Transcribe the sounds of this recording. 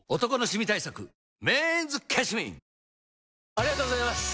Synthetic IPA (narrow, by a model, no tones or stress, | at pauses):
ot̪o̞ko̞no̞ɕimʲit̪aisakɯ̟ | mẽːnzɨkʲʰaɕimḭ̃ | aɾʲiɡat̪oːɡozajmasɨ̥